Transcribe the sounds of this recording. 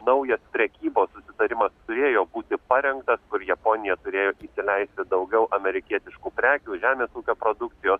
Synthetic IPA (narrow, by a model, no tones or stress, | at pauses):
nɐʊjɛspʲɾʲɛkʲiːboːssʊsʲɪt̪ɐɾʲɪmɐst̪ʊɾʲeːjoːbuːt̪ʲɪpɐɾʲɛŋkt̪ɐskʊɾjɛpoːnʲɪjɛt̪ʊɾʲeːjoːʔisʲɪlʲɛɪsʲt̪ʲɪd̪ɐʊɡʲɛʊʔɐmʲɛɾʲɪkʲiɛt̪ʲɪʃkuːpʲɾʲæːkʲuːʒʲæːmʲeːsuːkʲoːpɾod̪ʊk̚t̪sʲɪjoːs